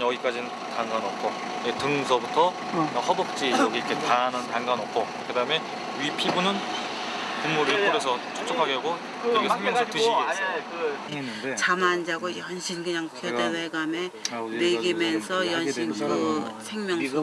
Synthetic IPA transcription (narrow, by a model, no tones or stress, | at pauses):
ʌɡik͈ad͡ʑinɯn | taŋɡanʌp̚k͈ʰo | netɯŋsʰʌbutʰʌ | ohʌbʌk̚t͡ɕ͈ijʌɡiɾkʰe̞tanɯntaŋɡanʌp̚k͈ʰo | kɯdaɯme̞ | ɥipʰibunɯn | pumːuɾikɯɾes̬ʰʌt͡ɕʰo̥t͡ɕ͈opʰaɡeɦaɡo | kɯeɡeeŋmjŋʰotɯɕʰiɡe | e | t͡ɕamand͡ʑaɡojʌnɕʰinkɯɲaŋpʰodeseɡameneɡimjʌnsʰʌjʌnɕinkɯsʰe̞ŋmjʌŋo